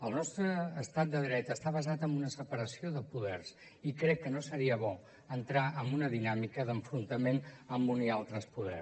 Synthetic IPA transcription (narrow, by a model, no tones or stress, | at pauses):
əlˠnɔst̪ɾəːst̪at̪̚d̪əðɾɛt̪əst̪aβ̞əzat̪əmbunəsəpəɾəsioðəpuðɛrs | ikɾɛkːənosəɾiəβɔ | ənt̪ɾaʔəmbunəðinamikəðəɱfɾunt̪əmenəmbunialˠt̪ɾəspuð̞ɛ̰r